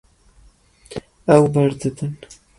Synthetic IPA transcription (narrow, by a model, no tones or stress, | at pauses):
awbaɾd̪ɨd̪ɨn